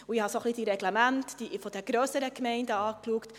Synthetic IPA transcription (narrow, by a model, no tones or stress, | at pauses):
uihɑsoχlid̥iɾɛɡlɛmæntd̥ifɔd̥̪ɛɾɡ̥ɾøːsəɾəkmɛɪndəɑːkluəkt